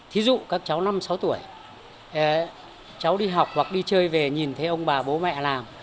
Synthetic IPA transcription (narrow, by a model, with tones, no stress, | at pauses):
t̪ʰi˨˦zṵ˧˨kaː˦˥k̚t͡ɕa˨˦wna˧msa˨˦wt̪u˧˩əj | t͡ɕa˨˦wɗi˧ɦa˨˩wk͡p̚hwa˨˩k̚ɗi˧t͡ɕəː˧jve˨˩ɲi˨˩nt̪ʰe˨˦ʔə˧wŋ͡mɓaː˨˩ɓo˨˦mɛ̰˧˨laː˨˩m